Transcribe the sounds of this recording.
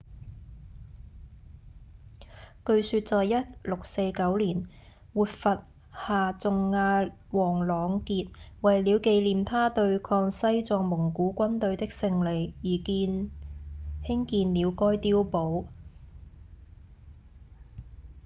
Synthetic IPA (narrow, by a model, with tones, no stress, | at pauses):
kɵ˧ɥsyː˧t̚t͡sɔː˨jjɐ˥t̚lʊ˨k̚se˧jkɐ˨˥wliː˨˩n | wuː˨t̚fɐ˨t̚ | haː˨t͡sʊ˨ŋːaː˧ | wɔː˨˩ŋlɔː˨˧ŋkiː˧t̚wɐ˨jliː˨˧wke˧jliː˨mt̪ʰaː˥t̪ɵ˧ɥkʰɔː˧ŋsɐ˥jt͡sɔː˧ŋmʊ˨˩ŋkuː˨˥kʷɐ˥nt̪ɵ˧ɥt̪ɪ˥k̚sɪ˧ŋle˨˧jːiː˨kiː˧n | hɪ˥ŋkiː˧nliː˨˧wkɔː˥jt̪iː˥wpo˨˥w